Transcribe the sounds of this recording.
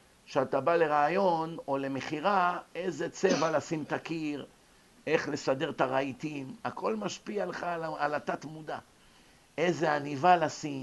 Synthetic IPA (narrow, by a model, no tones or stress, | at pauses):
ʃeat̪abale̞ʁaːjo̞no̞le̞meχiʁae̞jze̞t͡sevalasimt̪akiʁ | e̞χle̞sade̞ʁt̪aʁait̪imakʰo̞lmaʃpialeχaaalat̪at̪mud̪a | eze̞anivalasim